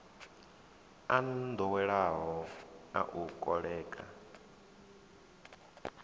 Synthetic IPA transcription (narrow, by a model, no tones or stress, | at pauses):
and̪ɔwɛɺaɦɔa̰ʔukʼɔɺɛːkʼa̰